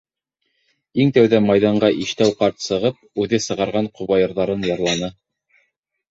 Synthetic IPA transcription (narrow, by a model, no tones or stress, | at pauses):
iŋt̪æwðæmɑjðɑɴɢɑʔiʃt̪æwqɑɾt̪sɤ̆ʁɤp̚ʉðɘsɤ̆ʁɑɾʁɑɴqŭβɑjɤ̆ɾðɑɾɤnjɑɾlˠɑnɤ